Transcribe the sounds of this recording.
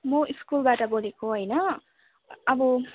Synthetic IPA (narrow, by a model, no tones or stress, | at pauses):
mʌiskulbaʈʌbolekoɦʌjnʌ | ʌbʌ